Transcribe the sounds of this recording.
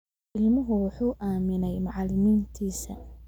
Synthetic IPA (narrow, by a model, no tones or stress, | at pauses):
ɪlmʊɦʊwɑħuːʔaːmɪnɛjmɑʕɑlɪmiːnt̪ʰiːsɐ̰